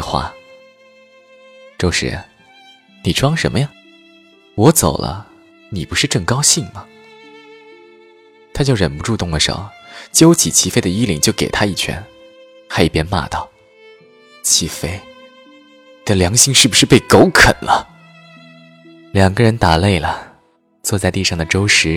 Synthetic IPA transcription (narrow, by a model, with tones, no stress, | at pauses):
xwa̰˥˩ | ʈ͡ʂo˥˧ʊʂɻ̩̰˧˥ | ni˨˩ʈ͡ʂʰwɑ˥˧ŋʂə̰˧˥nmə˧jɑ˥˩ŋ | wɔ˧˥t͡so˨˩ʊlʔə̰˦ | ni˨˩pu˧˥ʂɻ̩˥˧ʈ͡ʂɤ˥˩ŋkɑ˥ʊɕi˥˩ŋmɐ˩ | t̪ʰa˥t͡ɕjo˥˩ʊɻə˨˩npu˧˥ʈ͡ʂu˥˧t̪ʊ˥˩ŋlə˩ʂo̰˨˩t͡ɕjo˥ʊt͡ɕʰi˨˩t͡ɕʰi˧˥fe˥ɪd̪ə˨˧i˥lḭ˧˩ŋt͡ɕjo˥˩ʊke˨˩ɪt̪ʰa˥i˥˩t͡ɕʰɥɛ̰˧˥n | xa˧˥ɪi˥˩pjɛ˥nma̰˥˧˩t̪ɑ˥˩ʊ | t͡ɕʰi˧˥fe˥ɪ | nni̥˨˩ə˦ljɑ˧˥ŋɕi˥˧ŋʂɻ̩˥˩bu˩ʂɻ̩˥˧pe˥˩ɪko˥ʊkʰə̰˨˩nlʔə̰˦ | ljɑ˨˩ŋɡə˦ɻə˧˥nt̪a˨˩le˥˩ɪlə˩ | t͡swɔ˥˧t͡sa˥˧ɪt̪i˥˧ʂɑ˥˩ŋd̪ə˩ʈ͡ʂo˥ʊʂɻ̩˧˥